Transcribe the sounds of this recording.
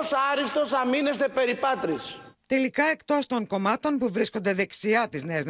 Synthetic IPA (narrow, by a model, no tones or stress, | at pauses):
sɐɾist̪o̞sɐmine̞st̪e̞pe̞ɾipɐt̪ɾist̪e̞likɐe̞kt̪o̞st̪o̞ŋko̞mɐt̪o̞npuvɾiskond̪e̞ðe̞ksiɐt̪izne̞ɐz